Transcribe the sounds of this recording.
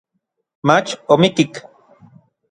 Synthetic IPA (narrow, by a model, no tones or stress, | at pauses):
mat͡ʃomikik